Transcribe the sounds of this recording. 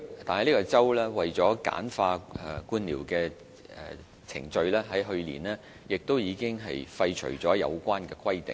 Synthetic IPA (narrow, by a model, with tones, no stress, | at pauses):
t̪aː˨nhɐ˨jli˥kɔ˧t͡sɐ˥wlɛː˥wɐ˨jt͡sɔː˨˥ka̰ː˨˥nfaː˧ɛ˨˧kuː˧˥nliː˨˩wkɛː˧ | ɛ̰˨ | t͡sʰɪ̰˨˩ŋt͡ʃɵ˧ɥlɛː˥ɦɐ˨˥jɦɵ˧ɥlḭː˨˩nlɛː˥ | jɪ˨k̚t̪o˥wjiː˨˧kɪ˥ŋɦɐ̰˨jfɐ˧jt͡ʃʰɵ̰˨˩t͡sɔː˨˥jɐ̰˨˧wkʷaː˥nkɛː˧kʰwɐ˥jt̪ɪ̰˨˩ŋ